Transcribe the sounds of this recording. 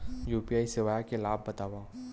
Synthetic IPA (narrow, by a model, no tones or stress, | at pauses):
juːpiaːisɪʋaːjakelaːbːɐt̪aːʋaː